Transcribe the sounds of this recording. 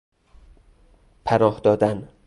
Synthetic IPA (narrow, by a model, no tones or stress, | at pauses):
pʰæɾɒːhd̪ɒːd̪æn